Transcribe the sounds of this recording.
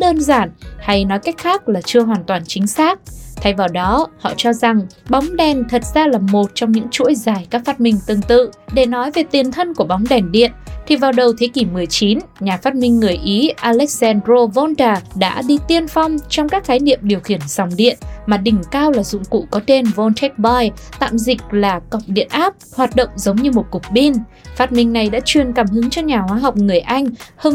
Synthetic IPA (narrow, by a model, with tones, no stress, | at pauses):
ɗəː˧nzaː˧˩nha˧jnɔ˨˦jka˦˥jk̟̚xaː˦˥k̚laː˨˩t͡ɕɨ˧əɦwaː˨˩nt̪waː˨˩nt͡ɕï˨˦ŋ̟saː˦˥k̚t̪ʰa˨˩jvaː˨˩wɗɔ˨˦hɔ̰˧˨t͡ɕɔ˧za˨˩ŋɓa˨˦wŋ͡mɗɛ˨˩nt̪ʰə˨˩t̚z̥aː˧laː˨˩mo˨˩t̚t͡ɕɔ˧wŋ͡mɲɨ̰˧˥ŋt͡ɕṵ˧˥jzaː˧˩jkaː˦˥k̚faː˦˥t̚mï˧ŋ̟t̪ɨ˨˧˩ŋt̪ɨ̰˧˨ɗe˧˩nɔ˨˦jve˨˩t̪i˨˩ənt̪ʰə˧nku˧˩əɓa˨˦wŋ͡mɗɛ˨˩nɗḭ˧˨ənt̪ʰi˨˩vaː˨˩wɗə˨˩wt̪ʰe˨˦ki˧˩mɨ˨˩əjt͡ɕi˨˦nɲaː˨˩faː˦˥t̚mï˧ŋ̟ːɨ˨˩əjʔi˨˦ʔaː˧lɛ˦˥k̚sɛ˧ndɾo˧vɔ˧nt̪aː˨˩ɗa̰ː˧˥ɗi˧t̪i˧ənfɔ˧wŋ͡mt͡ɕɔ˧wŋ͡mkaː˦˥k̚xaː˨˦jnḭ˧˨əmɗi˨˩əwxi˧˩ənza˨˩wŋ͡mɗḭ˧˨ənmaː˨˩ɗï˨˩ŋ̟kaː˧wlaː˨˩zʊ̰˧˨ŋ͡mkṵ˧˨kɔ˨˦t̪e˧nvɔ˧nt̪ʰɛ˦˥k̚ɓa˧jt̪a̰ː˧˨mzï˨˩k̟̚laː˨˩kə˨˩wk͡p̚ɗḭ˧˨ənʔaː˦˥p̚hwaː˨˩t̚ɗo̰˧˨wŋ͡mzə˨˦wŋ͡mɲɨ˧mo˨˩t̚kʊ˨˩k͡p̚ɓi˧nfaː˧˥t̚mï˨˩ŋ̟na˨˩jɗa̰ː˧˥t͡ɕwi˨˩ənkaː˧˩mhɨ˨˦əŋt͡ɕɔ˧ɲaː˨˩hwaː˧ɦɔ˨˩wk͡p̚ŋɨ˨˩əjʔa˧jŋ̟hə˧